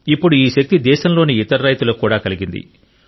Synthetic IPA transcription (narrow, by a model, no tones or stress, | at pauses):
ipːuɽuiːʃɐk̚t̪id̪ɛːʃɐmlo̞ːniːt̪ɐɾɾɐjt̪ulɐkːuːɽaːkɐliɡind̪ḭ